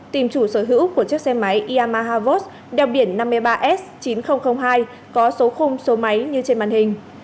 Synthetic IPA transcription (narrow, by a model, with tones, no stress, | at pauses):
t̪i˨˧˩mt͡ɕu˧˩səː˧˩ɦɨ̰˧˥wku˧˩ət͡ɕɨ˦˥ək̚sɛ˧ma˨˦jʔi˧ʔaː˧maː˧ɦaː˧vo˦˥t̚ | ɗɛ˨˩wɓi˧˩ənːa˧mːɨ˧əjɓaː˧ʔɛ˦˥s̚t͡ɕi˨˦nxə˧wŋ͡mxə˧wŋ͡mɦaː˧j | kɔ˨˦so˨˦xʊ˧ŋ͡mso˨˦ma˨˦jɲɨ˧t͡ɕe˧nɓa̰ː˧˨nhï˨˩ŋ̟